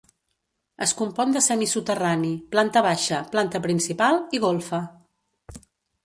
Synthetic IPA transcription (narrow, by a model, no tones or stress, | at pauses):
əskumpɔnd̪əsɛmisut̪əraniplant̪əβ̞aʃəplant̪əpɾinsipalˠiɣolˠfə